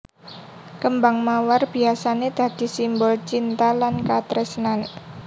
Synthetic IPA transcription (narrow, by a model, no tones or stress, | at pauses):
kəmbaŋmawarb̥i̤asaned̪̥a̤d̪̥i̤simbɔlt͡ʃint̪alankat̪ɾɛsnan